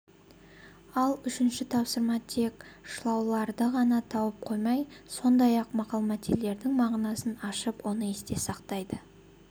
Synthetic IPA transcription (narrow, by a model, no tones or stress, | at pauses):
ɑlˠʏʃɪnʃɪt̪ʰɑpsəɾmɑt̪ʰe̞kʃlˠɑwlˠɑɾd̪əʁɑnɑt̪ʰɑwəp̚qʰo̞jmɑjso̞nd̪ɑjɑqmɑqɑlˠmɑt̪ʲele̞ɾd̪ɪŋmɑʁnɑsənɑʃəpwo̞nəest̪e̞sɑqt̪ɑjd̪ə